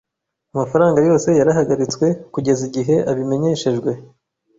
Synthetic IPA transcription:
amafaɾaːŋɡajo̞ːse̞jaɾaɦaɡaɾit͡swe̞kuɟe̞ziɟiɦe̞ʔaβime̞ɲe̞ʃe̞ʒɡwe̞

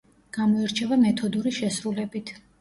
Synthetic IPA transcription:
ɡ̥amɔiɾt͡ʃʰɛvamɛt̪ʰɔd̪uɾiʃɛsɾulɛbit̪ʰ

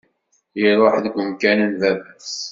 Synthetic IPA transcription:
jiɾˤoħðəɡʷəmkænənvævæs

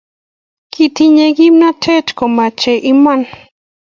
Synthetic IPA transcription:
kit̪iɲeɡimnatʰet͡ʃkomat͡ʃeʔiman

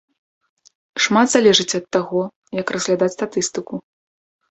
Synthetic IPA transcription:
ʂmat̪z̥alʲɛʐɨt͡sʲɐt̪ːaɣɔ | jɐkrɐzɣlʲad̪at͡sʲst̪at̪ɨst̪ɨku

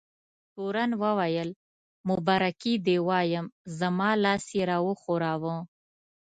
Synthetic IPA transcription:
ʈ̪oɾanwəwajəl | mʊbaɾakid̪ewɑːjəmzamɑːlɑːseɾaːwoxoɾaːwə̃

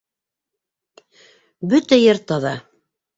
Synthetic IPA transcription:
bɵt̪æjɤɾt̪ɑðɑ

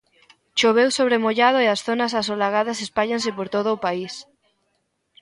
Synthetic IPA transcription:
ʃoβewsoβ̞ɾemoʎaðoeasθonas̬asolaɣ̞aðɐsespaʎansepoɾt̪oð̞oːpais

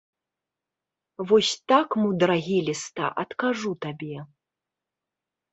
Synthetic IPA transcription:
vɔsʲt̪akmɨd̪ɐɾaɣʲilʲist̪a̰ʔɐt̪kaʐut̪abʲɛ

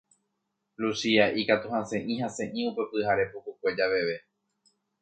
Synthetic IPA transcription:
lusiaʔikat̪uhãsẽ̞ʔĩhãsẽ̞ʔĩupe̞pɨhaɾe̞pukukʷe̞d͡ʒaʋe̞ʋe̞

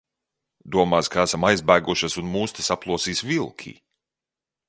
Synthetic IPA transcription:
d̪uɔmaːskaæsamajzbæːɡuʃasunmuːst̪isaplˠuɔsiːsvilˠkʲʰḭː

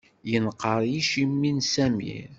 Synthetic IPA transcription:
jənqːəɾˤjiʃimːinsæmḭɾ

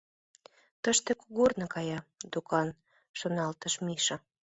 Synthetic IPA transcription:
t̪əʃt̪ekuɣornɤ̆kɑjɑd̪ukɑn | ʃonɑlt̪əʃmiʃə̆

